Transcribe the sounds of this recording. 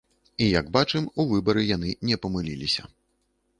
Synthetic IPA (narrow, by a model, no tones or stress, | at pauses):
ijaɡbat͡ʂɨmuvɨbɐɾɨjan̪ɨnʲɛpɐmɨlʲḭlʲisʲɐ̰